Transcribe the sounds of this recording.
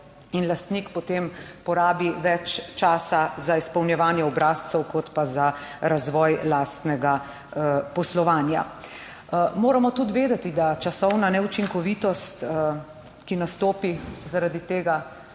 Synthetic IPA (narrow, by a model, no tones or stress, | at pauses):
inlast̪nikpɔt̪empɔɾaːbiʋɛt͡ʃt͡ʃaːsazaispɐwnjɛʋaːnjɛɔbɾaːst̪sɛwkɔt̪pazaɾazʋɔjlaːst̪nɛɡa | pɔslɔʋaːnja̰ | moːɾamɔt̪ud̪ʋeːd̪ɛt̪id̪at͡ʃasɔwnanɛut͡ʃiŋkɔʋit̪ɔst̪ | kinast̪oːpizaɾad̪it̪eːɡa